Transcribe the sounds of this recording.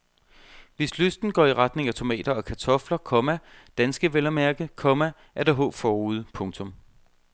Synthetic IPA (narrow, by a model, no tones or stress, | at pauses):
ʋe̝sløsd̥n̩ɡ̥ɒ̰ːiʁɑ̈d̥ne̝ŋæt͡sʰo̝mɛ̰ːd̥ɐɒ̽kʰæt͡sʰɒ̽flɐkʰɒ̽mæd̥ænsɡ̥əʋelɐmæɐɡ̥əkʰɒ̽mæ | ʔæɐd̥æɦɔ̰̽ːb̥fɒːuːð̞̩̰ˠpʰɔ̽ŋt͡sʰɔ̽m